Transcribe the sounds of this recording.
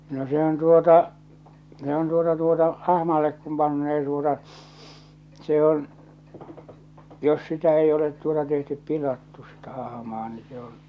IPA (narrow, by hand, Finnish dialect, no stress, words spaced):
no se on tuotɑ se on tuotɑ tuotɑ ɑhmɑlːek kum pɑnːeː tuotɑ se on jos sitæ ei olet tuotɑ tehtyp pilɑtːu sitæ ɑhɑ̆mɑː ni se on